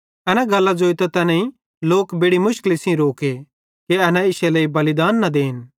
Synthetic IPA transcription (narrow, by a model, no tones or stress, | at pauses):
ɐnãɡɐlːad͡ʒoːit̪ɐt̪ɐnɛ̃ĩ | loːkbɪɽimʊʃkɪlisĩɾoːke | keɐnãɪʃelɐːibɐlɪd̪aːnːɐd̪eːɦɪn